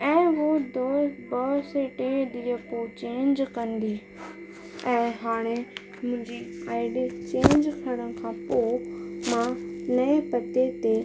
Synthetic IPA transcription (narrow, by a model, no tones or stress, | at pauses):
ɛ̃ːʋod̪obɐseʈeɗ̪iːəpot͡ɕẽːɲd͡ʑkɐ̃nd̪iː | ɛ̃ːɦaːɽ̃e | mʊ̃ɦɪ̃ɲd͡ʑiaːɪɖit͡ɕẽːɲd͡ʑkʰɐɽ̃ən̆kʰãːpomãnɐepɐt̪et̪e